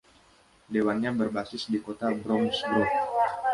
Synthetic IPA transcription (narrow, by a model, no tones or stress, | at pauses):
dewanɲabərbasɪsdikot̪abɾɔmsbɾɔ